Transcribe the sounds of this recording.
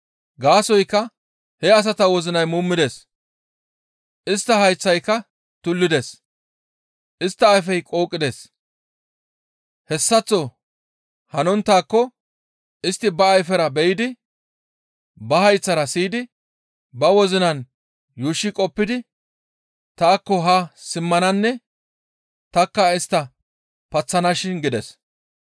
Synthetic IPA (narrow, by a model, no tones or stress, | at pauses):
ɡaːsɔjkːɐ | hɛɐs̬ɐt̪ɐwɔzɪnɐjmuːmːɪd̪es | ʔɪst̪ːɐhɐjt͡sːɐjkːɐ | t̪ʊlːɪd̪es | ʔɪst̪ːɐːjf̬ɛjkʼo̞ːkʼːɪd̪es | hɛsːɐt͡sːɔ | hɐnɔnt̪ːaːkːɔ | ʔɪst̪ːɪbɐːjfɛɾɐbɛjɪd̪ɪ | bɐhɐjt͡sːɐɾɐsiːd̪ɪ | bɐwɔzɪnɐn | juːʃːɪkʼɔpːɪd̪ɪ | t̪aːkːɔɦɐsɪmːɐnɐnːɛ | t̪ɐkːɐɪst̪ːɐ | pɐt͡sːɐnɐʃɪnɡɪd̪ɛs